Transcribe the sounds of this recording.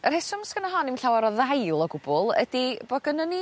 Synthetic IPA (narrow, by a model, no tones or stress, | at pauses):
ərhɛsʊmskənɔɦɔnimɬawaɾɔðajlˠɔɡʊb̥ʊlˠə̰dib̥ɔɡənɔni